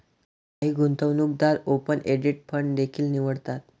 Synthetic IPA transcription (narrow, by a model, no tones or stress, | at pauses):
aɦiːɡʱunt̪əʋnuk̚d̪aɾopəneɖiʈ̚fʰəɳd̪ekʰiːlniʋəɽt̪at̪̚